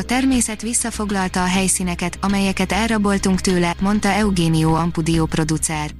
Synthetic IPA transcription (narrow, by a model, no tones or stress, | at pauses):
ɒt̪ɛrmeːsɛt̪ʋisːɒfo̞ɡlɒlt̪ɒːɦɛjsiːnɛkɛt̪ɒmɛjɛkɛt̪ɛlrɒbo̞lt̪uŋkt̪øːlɛmo̞nt̪ɒɛuɡeːnioːɒmpud̪iopro̞d̪ut̪sɛr